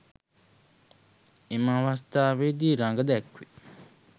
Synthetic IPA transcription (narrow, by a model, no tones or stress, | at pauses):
imãwast̪aβed̪iɾãŋɡəd̪ɛkʰwi